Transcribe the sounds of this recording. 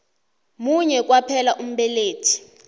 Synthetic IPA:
muɲɛk̬wapʰɛlaʔum̩ɓɛleːtʰi̥

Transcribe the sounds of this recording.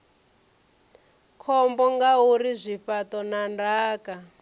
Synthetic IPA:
kʰɔmbɔŋɡauɾizʷifatɔnandaːka

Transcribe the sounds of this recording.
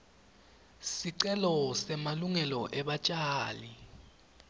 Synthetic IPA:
siǀɛlɔsɛmaluŋɛlɔʔɛɓat͡ʃʼaːli

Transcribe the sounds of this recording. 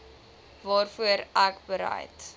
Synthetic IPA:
vɑːrfuəɾækbəɾə̰jt

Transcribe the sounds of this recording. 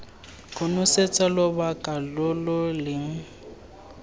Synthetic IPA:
kʼʊnʊset͡sʼalɔbakʼalɔlʊlɪŋ̩

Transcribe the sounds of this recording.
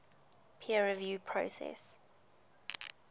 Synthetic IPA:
pʰiəɹɛvjuːpʰɹosɛ̰s

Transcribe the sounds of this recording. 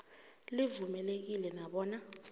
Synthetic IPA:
livumɛlek̬ilɛnaɓɔːna

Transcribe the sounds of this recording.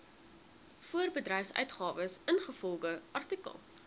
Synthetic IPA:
fuərbədrɛjfsœ̰ɥtχɑːvəsənχəfɔlˠɡəʔɐrtikə̰lˠ

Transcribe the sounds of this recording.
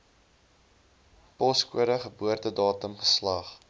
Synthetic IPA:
pɔskṵəɾəχəbuərtədɑːtəmχə̥slɐχ

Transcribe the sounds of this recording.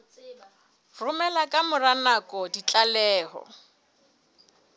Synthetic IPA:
rʊmɛlakʼamʊranakʼɔdit͡ɬʼalɛːɦɔ̰

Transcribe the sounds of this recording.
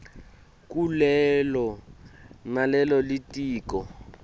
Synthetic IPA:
kʼulɛlɔ | nalɛlɔlitʼiːkʼɔ

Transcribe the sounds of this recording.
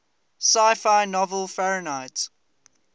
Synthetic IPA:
saɪfaɪnɔvəlfɛɹənaɪts

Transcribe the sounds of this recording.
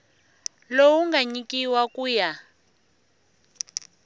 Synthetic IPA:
lowuŋɡaɲikiwakʼuːja

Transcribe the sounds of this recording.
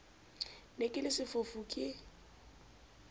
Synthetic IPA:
lekʼɪlɪsɪfʊfukʼɪ

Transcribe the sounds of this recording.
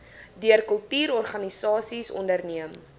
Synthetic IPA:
diərkəlˠtyːɾɔrχɐnisɑːsisɔ̰ndərniəm

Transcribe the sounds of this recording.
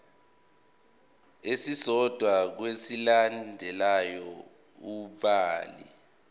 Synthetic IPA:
esisɔd̥ʱwak̬wesilandʱɛlajɔ | uɓaːlḭ

